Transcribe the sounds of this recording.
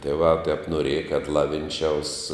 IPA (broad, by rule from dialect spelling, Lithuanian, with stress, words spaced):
tʲiɛˈʋɑː tʲɛp noːˈrʲiɛjɛ kɐt ˈlˠɑːʋʲɪnʲˌt͡ʃʲɛʊs